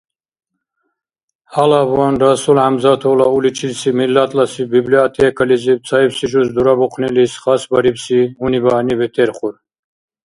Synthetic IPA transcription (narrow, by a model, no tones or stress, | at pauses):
halavuanɾasulʕamzat̪ʰɔlaulit͡ʃʰilsimilːat̪ʼlasibibliat̪ʰɛɛkʰalizip̚t͡sʰaipsiʒusd̪uɾabɔqʰnɛlisχasbaɾipsiunibaːnibɛt̪ʰɛɾχuɾ